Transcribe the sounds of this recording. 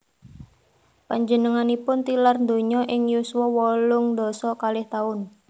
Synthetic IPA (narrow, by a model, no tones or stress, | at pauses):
paɲd͡ʒənəŋanipʊnt̪ilarnd̪o̤ɲɔʔɪŋjuswɔwɔlʊŋd̪ɔsɔkalɪht̪aʊn